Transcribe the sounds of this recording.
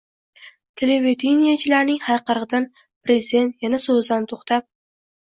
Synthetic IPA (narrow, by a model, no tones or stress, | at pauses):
t̪ʰeleved̪ʰinijat͡ʃʰɪlaɾnɪŋhajqɑɾʁɨd̪an | pɾezid̪e̞nt̪janasɵzd̪ant̪ʰoχt̪ʰap̚